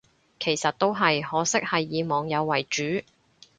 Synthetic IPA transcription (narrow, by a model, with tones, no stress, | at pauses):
kʰe˨˩jsɐ˨t̚t̪o˥wɦɐ˨jhɔː˨˥sɪ˥k̚hɐ˨jːiː˨˧mɔː˨ŋjɐ˨˧wːɐ˨˩jt͡ʃyː˨˥